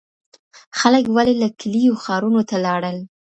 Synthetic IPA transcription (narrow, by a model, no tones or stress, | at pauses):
xaləkwalelaklijoxɑɾunot̪alɑɽəl